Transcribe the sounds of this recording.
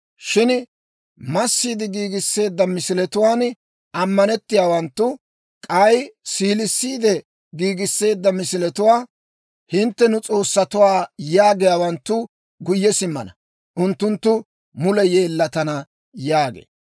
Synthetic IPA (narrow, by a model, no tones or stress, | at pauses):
ʃɪn | mɐsːiːd̪ɪɡiːɡɪsːe̞ːd̪ːɐmɪsɪlɛt̪ʊwaːn | ʔɐmːɐnɛt̪ːɪjaːwɐnt̪ːʊ | kʼɐjsiːlɪsːiːd̪ɛ | ɡiːɡɪsːe̞ːd̪ːɐmɪsɪlɛt̪ʊwaː | hɪnt̪ːɛnʊt͡sʼo̞ːsːɐt̪ʊwaːjaːɡɪjaːwɐnt̪ːʊ | ɡʊjːɛsɪmːɐ̰nɐ̰ | ʔʊnt̪ːʊnt̪ːʊ | mʊlɛjeːlːɐt̪ɐnɐ | jaːɡḛː